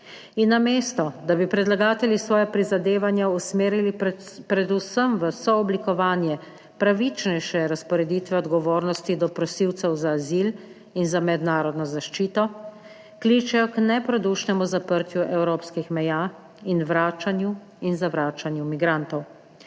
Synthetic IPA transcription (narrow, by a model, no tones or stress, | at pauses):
inːameːst̪ɔd̪abipɾɛd̪laɡaːt̪ɛljisʋɔːjapɾizad̪eːʋanjausmeːɾilipɾɛd̪usəmʋəsɔːblikɔʋaːnjɛ | pɾaʋit͡ʃnɛjʃɛɾaspɔɾɛd̪iːt̪ʋɛɔd̪ɡɔʋoːɾnɔst̪id̪ɔpɾɔsiwt̪sɛwzaːzil | inzamɛd̪naːɾɔd̪nɔzaʃt͡ʃiːt̪ɔ | klit͡ʃɛjɔknɛpɾɔd̪uːʃnɛmuzapəɾt̪juʔɛwɾoːpskixmɛjaː | inʋɾaːt͡ʃanju | inzaʋɾaːt͡ʃanjumiɡɾant̪ɔw